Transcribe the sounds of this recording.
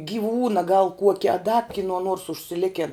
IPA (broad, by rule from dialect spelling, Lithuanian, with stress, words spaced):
ɡʲɪˈʋuːnɐ ɡɐlˠ ˈkuɔkʲɛ ɐ dɐ kʲɪˈnuɔ nuɔrs ʊʃʲsʲɪˈlʲɪkʲɛn